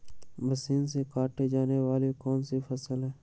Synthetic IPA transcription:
bəsiːnsekaːʈed͡ʒaːneʋaːlikɔːnsifʰəsəlɦɛː

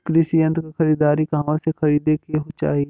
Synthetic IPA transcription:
kɾɪʃiə̃nt̪kaxɐɾiːd̪aːɾikaʋãsexɐɾiːd̪ekeɦot͡ʃa̰ːɦi

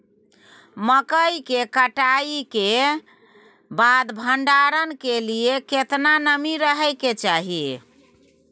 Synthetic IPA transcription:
məkəjkekəʈaike | bad̪bʱəɳɖaɾənkelijeket̪nanəmiɾəɦɛjket͡ʃaɦi

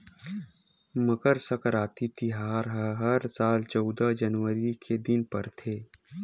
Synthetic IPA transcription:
məkəɾsəkɾaːt̪it̪ʰiɦaːɾɦəɦɐɾsaːlt͡ʃɔːd̪ad͡ʒɐnwəɾikʰed̪ɪnpɐɾt̪ʰeː

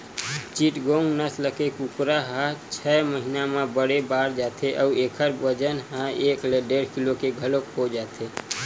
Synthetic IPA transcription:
t͡ʃiʈɡoŋɡnəsləkekukɾaɦãt͡ʃʰɛməɦinamẽbəɽebaːɾd͡ʒat̪ʰeʔɔueːkʰəɾbəd͡ʒənɦãeːkleɖeɽkilokeɡʱəlokhod͡ʒaːt̪ʰe

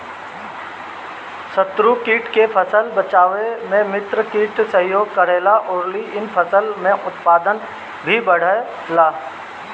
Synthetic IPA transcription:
sət̪ɾukiːʈkepʰəsəlbət͡ʃaːʋemẽmɪt̪ɾəkiːʈsə̃ɦjoːɡ̚kəɾeːlaʔʊɾliɪnpʰəsəlmẽʔʊt̪paːd̪ən | bʱibəɽ̤ə | laː

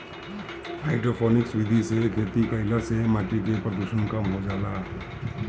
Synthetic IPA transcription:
aɪʈopʰɔniksbid̪ʱisekʰet̪ikəjlasemaʈikepɾəd̪usənkamɦod͡ʒala

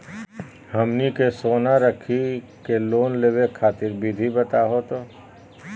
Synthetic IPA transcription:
hɐmnikesoːnaɾəkʰi | keloːnleːwekʰaːt̪ɪɾbʱid̪ʱibɐt̪aɦot̪oː

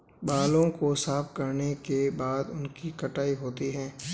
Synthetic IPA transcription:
baːlõkosaːfkɐɾnekebaːd̪ʊnkikɐʈaːiɦoːt̪iɦɛ̃ː

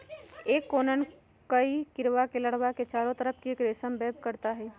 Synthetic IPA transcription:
eːkːoːnən | kəikɪɾʋakeləɽwaket͡ʃaːɾõt̪əɾəp̚ʰkieːkɾeːsəmbɛːbkəɾt̪aɦɛː

